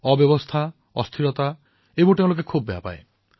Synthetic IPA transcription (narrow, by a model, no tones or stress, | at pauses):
ɔbjɔbɔst̪ʰa | ɔ̰st̪ʰiɾɔt̪a | eboʈẽw̃lok̬ekʰubːeɦa̰pa̰ḛ